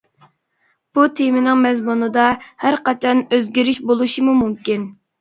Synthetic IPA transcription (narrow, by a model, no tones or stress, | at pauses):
b̥ut̪ʰemɪnɪŋmɛzmunɨd̪ɑhæɾqɑt͡ʃʰɑnøzɡʲiɾiʃbolˠuʃimumumkʲin